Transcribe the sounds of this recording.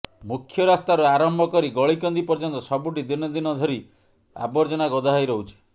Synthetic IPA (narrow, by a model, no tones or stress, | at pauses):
mukʰːjɔɾast̪aɾuaɾɔmbʱɔkɔɾiɡɔɭikɔnd̪ipɔɾd͡ʒɔnt̪ɔsɔbuʈid̪inɔd̪inɔd̪ʱɔɾi | a̰bɔɾd͡ʒɔɽ̃aɡɔd̪ʱaajɾɔɦut͡ʃʰi̥